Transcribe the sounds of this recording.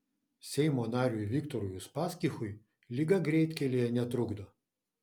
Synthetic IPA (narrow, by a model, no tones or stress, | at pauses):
sʲɛɪmoːnɑːɾʲuʋʲɪkt̪oɾʊjʊspɑːsʲkʲixʊj | lʲɪɡɐɡɾʲɛɪt̪ʲkʲɛlʲejɛnʲɛt̪ɾʊɡd̪o